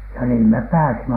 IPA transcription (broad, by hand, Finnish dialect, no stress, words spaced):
jɑ niːm mep pæːsimæ